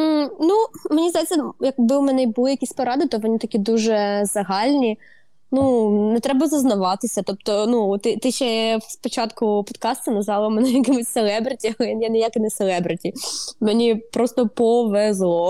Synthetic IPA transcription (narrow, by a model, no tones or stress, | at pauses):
numenʲizd̪ɐjɛt͡sʲːɐjɐkbɪʊmɛnɛbʊlˠɪjɐkʲisʲpɔɾɑd̪ɪt̪ɔʋɔnʲit̪ɐkʲid̪uʒɛzɐɦɑlʲnʲi | nunɛt̪ɾɛbɐzɐznɐʋɑt̪ɪsʲɐt̪ɔp̚t̪ɔnut̪ɪt̪ɪʃɛspɔt͡ʃɑt̪kʊpɔ̥t̪kɑst̪ʊnɐzɑlˠɔmɛnɛjɐkɪmʊsʲselˠɛbɾɪtʲiɐlˠɛjanɛjakɪnɐselˠɛbɾɪtʲimenʲipɾɔst̪ɔpɔʋɛzlˠɔ